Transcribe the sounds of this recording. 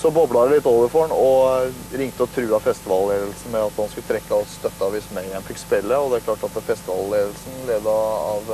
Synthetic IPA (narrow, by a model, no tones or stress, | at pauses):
sɔbɔːblɑɾəlɪt̪ːoːʋəɾfɔɳɔ | ɾɪŋt̪əɔt̪ʰɾʉːɑfɛst̪ɪʋɑlleːd̪əlsn̩mɛɑt̪hɑnskʉlət̪ʰɾɛkːɑɔst̪œt̪ːɑʋɪsmɛɪænfɪkːspɛlːəɔd̪ɛæɾkʰlɑːʈɑt̪fɛst̪ɪʋɑ̰lleːd̪əlsn̩leːd̪əɑʋ